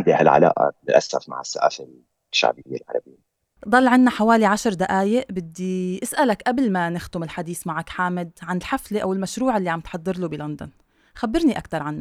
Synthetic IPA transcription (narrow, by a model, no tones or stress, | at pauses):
nd̪ihalʕa̰la̰ːʔa̰lɪlʔasafma̰ʕɪsːaʔa̰ːfal | ʃːa̰ʕbɪɪjːa̰lʕɑ̰ɾˤɑbɪjːa | d̪ˤɑlːʕɪnːaħawaːliʕaʃɾˤd̪aʔaːjɪʔbɪd̪ːiʔɪsʔalakʔablmanɪxd̪ʊmɪlħad̪iːθmaʕakħaːmɪd̪ʕanɪlħafleʔawɪlmaʃɾuːʕɪlːiʕamt̪ħɑd̪ˤːɨɾˤlubilɔnd̪ʊ̰n | xabːɪɾniʔa̰kt̪ɑɾˤʕanːa